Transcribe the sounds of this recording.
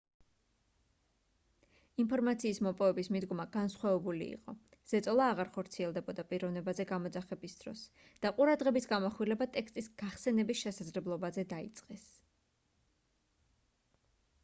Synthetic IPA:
impʰɔɾmat̪sʰiːsmɔpʼɔvɛbismid̪ɡɔmaɡ̥ansχwavɛbulḭːqʼɔ | z̥ɛt̪sʼɔlˠaːʁaɾχɔɾt̪sʰiɛlˠd̪ɛbɔd̪apʼiɾɔvnɛbazɛɡamɔd̪zaχɛbisd̪̥ɾɔ̰s | d̪̥aqʼuɾad̪ʁɛbisɡamɔχwilɛbat̪ʼɛkst̪ʼisɡ̥aχsɛnɛbisʃɛsad̪zlɛblˠɔbazɛd̪aḭt̪sʼqʼɛs

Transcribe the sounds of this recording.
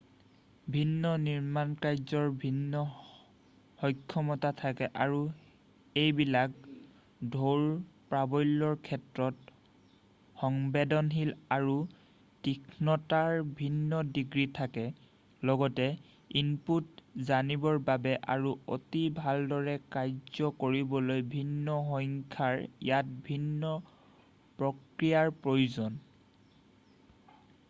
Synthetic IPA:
bʱinːɔniɹmankajzɔɹbʱinːɔ | hɔjkʰːɔmɔtatʰakɛʔaɹu | ejbilak | dʱoɹpɹabɔjlːɔɹkʰɛtɹɔt | xɔŋbedɔnɦilaɹu | tikʰnɔtaɹbʱinːɔdiɡɹitʰakɛ | lɔɡɔtɛ | inputzanibɔɹbabɛʔaɹuo̰tibʱaldɔɹɛkajzɔkoɹibɔlojbʱinːɔxɔŋkʰaɹḭjat̚bʱinːɔ | pɹɔkɹijaɹpɹojuzɔn

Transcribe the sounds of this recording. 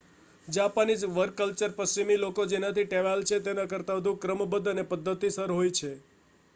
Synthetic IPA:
d͡ʒapanid͡ʒʋəɾkəlt͡ʃəɾpəst͡ʃimilokod͡ʒenat̪ʰiʈeʋalt͡ʃʰet̪enakəɾt̪aʋəd̪ʱũkɾəmbəd̪ənepəd̪ʱːət̪isəɾɦojt͡ʃʰe

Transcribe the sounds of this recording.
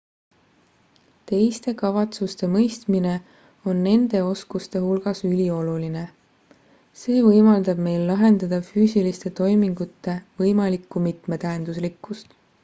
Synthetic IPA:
t̪e̞jst̪e̞kɑvɑt̪sust̪e̞mɤjst̪mine̞ | o̞nːe̞nd̪̥e̞o̞skust̪e̞hulɡ̥ɑsylʲio̞luline̞ | se̞ːvɤjmɑld̪̥ɑb̥me̞jlːɑɦe̞nd̪̥ɑd̪̥ɑfyːsilist̪e̞t̪o̞jmiŋɡ̥ut̪ːe̞vɤjmɑlikːˑumit̪me̞t̪æend̪̥uslikːˑust̪

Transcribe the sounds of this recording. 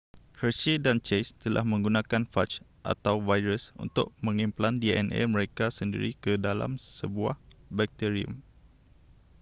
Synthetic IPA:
kət͡ʃidant͡ʃest̪əlʔa̰hmə̃ŋɡunãkanfat͡ʃ | ʔa̰t̪awvajɾəsṵnt̪ʊʔ̚mə̃ŋimplandiɛ̰nʔḛmə̃ɾekasəndḭɾikədala̰msəbua̰hbɛk̚t̪iɾiṵm

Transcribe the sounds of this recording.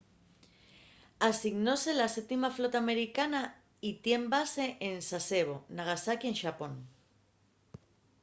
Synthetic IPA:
asiɣno̞se̞lasep̚t̪imaflo̞t̪aːme̞ɾikana | it̪je̞mbase̞ʔensase̞β̞o̞naɣ̞asakienʃapo̞n

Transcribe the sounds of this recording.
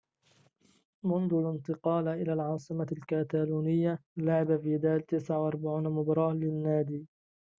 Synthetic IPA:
mʊnðʊlɪnt̪ɨqɑːlʔɪlaːlʕɑːsˤɨmalkaːt̪aːluːnɪjːalaʕɪbafiːd̪aːlt̪ɪsʕawʔɑɾˤbaʕuːnamʊbɾˤɑːlɪnːaːd̪iː

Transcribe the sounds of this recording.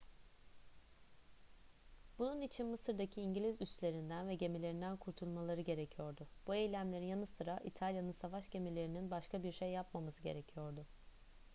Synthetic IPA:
bununit͡ʃʰinmɯsɯɾd̪acʰiːɲɟilʲizyst̪lʲe̞ɾind̪ænvɛɟe̞milʲe̞ɾind̪ænkʰuɾt̪ʰulˠmalˠaɾɯɟe̞ɾecʰijo̞ɾd̪ʊb̥ue̞jlʲæmlʲeɾinjanɯsɯɾaʔit̪ʰalʲjanɯnsavaʃɟe̞milʲe̞ɾininbaʃkʰabiɾʃejːapmamazɯɟe̞̰ɾe̞cʰijo̞ɾd̪ʊ

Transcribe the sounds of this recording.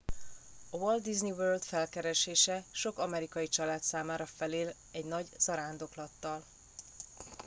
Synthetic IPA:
ɒwold̪ːizniʋøːrld̪fɛlkɛɾɛʃeːʃɛʃo̞kɒmɛɾikɒjit͡ʃɒlaːt̪saːmaːɾɒfɛleːl | ɛɟnɒɟz̥ɒɾaːnd̪o̞klɒt̪ːɒl

